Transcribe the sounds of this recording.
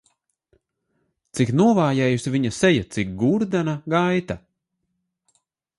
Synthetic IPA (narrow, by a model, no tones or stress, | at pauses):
t̪siknuɔvaːjɛːjusivʲiɲasɛjat̪sik̚ɡuɾd̪anaɡajt̪a